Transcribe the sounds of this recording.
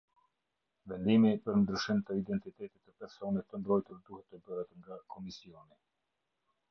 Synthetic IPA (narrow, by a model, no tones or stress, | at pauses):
vɛnd̪imipəɾnd̪ɾyʃimt̪əid̪ɛnt̪it̪ɛt̪it̪əpɛɾsɔnɛt̪ːəmbɾɔjt̪uɾd̪uhɛt̪ːəbəɾət̪ŋɡakʰɔmisiɔni